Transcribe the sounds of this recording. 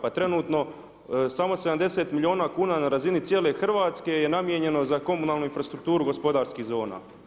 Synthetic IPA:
pat̪ɾe̞nuːt̪no̞ | samo̞seamd̪e̞se̞ːt̪milʲio̞ːnaːkuːnaːnaɾazinit̪sje̞ːle̞xr̩ʋaːt̪ske̞je̞namjeɲe̞no̞zako̞munaːlˠnuinfɾast̪ɾukt̪uːɾuɡo̞spo̞d̪aːɾskihzo̞ːna̰ː

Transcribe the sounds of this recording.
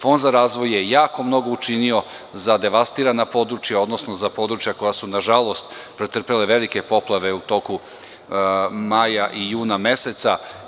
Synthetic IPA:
fo̞nd̪zaɾaːzʋo̞je̞jaːko̞mno̞ɡo̞ut͡ʃinio̞ | zad̪e̞ʋast̪iɾanapo̞d̪ɾut͡ʃjao̞d̪no̞sno̞zapo̞ːd̪ɾut͡ʃjako̞jasunaʒalˠo̞st̪pɾet̪r̩pele̞ʋe̞like̞po̞plˠaʋe̞ut̪o̞ku | majaʔijuːname̞se̞t̪sa

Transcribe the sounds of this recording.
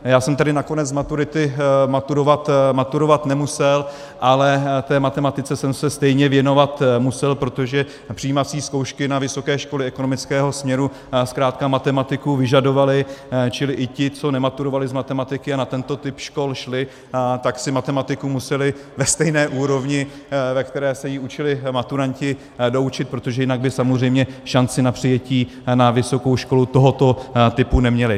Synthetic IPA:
jaːsɛmt̪adɪnako̞nɛd͡zzmat̪uɾɪt̪ɪmat̪uɾovat̪mat̪uɾo̞vat̪nɛmusɛl | ʔalɛt̪ɛːmat̪ɛmat̪ɪt͡sɛsɛmsɛst̪ɛjɲɛvjɛno̞vat̪musɛlpɾo̞t̪o̞ʒɛ | pr̥iiːmat͡siːskowʃkɪnavɪsokɛːʃko̞lɪɛkonomɪt͡skɛːɦo̞smɲɛɾu | skɾaːt̪̚kamat̪ɛmat̪ɪkuvɪʒado̞valɪt͡ʃɪlɪʔɪcɪt͡so̞nɛmat̪uɾovalɪzmat̪ɛmat̪ɪkɪanat̪ɛnt̪o̞t̪ɪpʃko̞lʃlɪ | t̪aksɪmat̪ɛmat̪ɪkumusɛlɪvɛst̪ɛjnɛːʔuːɾo̞vɲɪ | vɛkt̪ɛɾɛːsɛjiut͡ʃɪlɪmat̪uɾaɲcɪ | do̞ut͡ʃɪt̪̚pɾot̪o̞ʒɛjɪnaɡ̚bɪsamozr̝ɛjmɲɛʃant͡sɪnapr̥ɪjɛciː | navɪso̞kowʃko̞lut̪o̞ɦot̪o̞t̪ɪpunɛmɲɛlɪ

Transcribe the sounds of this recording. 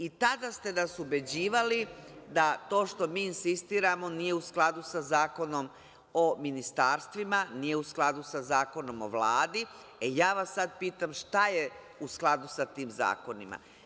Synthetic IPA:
it̪ad̪ast̪e̞d̪asube̞d͡ʑiːʋalid̪at̪o̞ːʃt̪o̞miːnsist̪iːɾamo̞nije̞usklˠad̪usazaːko̞no̞m | ominist̪aːɾst̪ʋimanijeusklˠad̪usazaːko̞no̞mo̞̰ʋlaːd̪i | ejaːʋasːad̪̚piːt̪amʃt̪aje | usklˠad̪usat̪iːmza̰ːko̞nima̰

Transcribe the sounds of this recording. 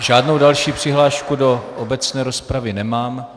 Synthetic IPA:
ʒaːdno̞wdalʃiːpr̝̥ɪɦlaːʃkudo̞ʔobɛt͡snɛːɾospɾavɪnɛmaːm

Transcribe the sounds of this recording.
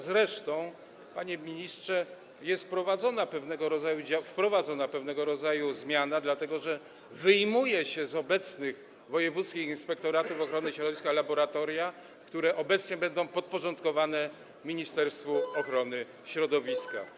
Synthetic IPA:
zɾɛʂt̪ɔ̃w̃ | paɲɛmʲiɲistʂɛ | jɛst̪pɾɔvad̪zɔnapɛvnɛɡɔɾɔzajud͡ʑafpɾɔvad̪zɔnapɛvn̪ɛɡɔɾɔd̪zajuzmʲjanad̪lat̪ɛɡɔʐɛ | vɘjmujɛɕɛzɔbɛt̪snɘɣ | vɔjɛvut̪skʲixinspɛkt̪ɔɾat̪ufɔxɾɔnɘɕɾɔd̪ɔvʲiskalabɔɾat̪ɔɾʲja | kt̪uɾɛʔɔbɛt̪sɲɛbɛnd̪ɔ̃w̃pɔt̪̚pɔʐɔnt̪kɔvanɛ | mʲiɲist̪ɛɾst̪fuɔxɾɔnɘ | ɕɾɔd̪ɔvʲiska̰

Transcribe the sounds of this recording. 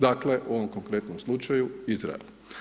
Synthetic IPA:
d̪akleʔuo̞ʋomkoŋkɾe̞t̪nomslˠut͡ʃajuizɾa̰ḛl

